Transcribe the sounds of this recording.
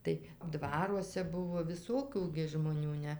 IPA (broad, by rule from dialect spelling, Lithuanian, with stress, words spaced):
tɐɪ ˈdʋɑːruɔsʲɛ ˈbʊʋoː ʋʲɪˈsoːkʲuː ʒmoːˈnʲuː ˈnʲɛ